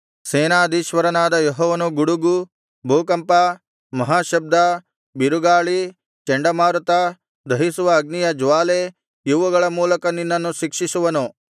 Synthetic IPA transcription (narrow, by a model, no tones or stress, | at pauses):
seːnaːd̪iːʃʋɐɾɐnaːd̪ɐjɔɦɔːʋɐnuɡuɽuɡu | bʱuːkɐmpɐ | mɐɦaːʃɐb̚d̪ɐ | biɾuɡaːɭi | t͡ʃeɳɖɐmaːɾut̪ɐ | d̪ʱɐɦisuʋɐːɡnijɐd͡ʒʋaːle | juʋɐɡɐɭɐmuːlɐkɐninːɐnːuʃikʂisuʋɐnu